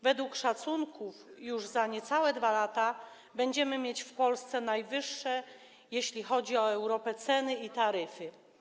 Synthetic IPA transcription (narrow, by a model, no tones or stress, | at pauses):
vɛd̪wukʂat̪suŋkufjuʐzaɲɛt̪sawɛd̪valat̪a | bɛɲd͡ʑɛmɘmʲjet͡ɕfpɔlst̪sɛnajvɘʂːɛ | jeɕlʲixɔd͡ʑiɔɛwɾɔpɛt̪sɛnɘit̪aɾɘfɘ